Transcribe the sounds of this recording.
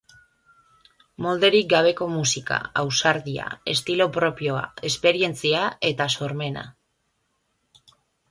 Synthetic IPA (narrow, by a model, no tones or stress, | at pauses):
mo̞ld̪e̞ɾik̚ɡaβ̞e̞ko̞musika̰awsaɾðia̰e̞̰st̪ilo̞pɾo̞pjo̞a̰e̞spe̞ɾie̞nt͡siae̞t̪aso̞ɾme̞na̰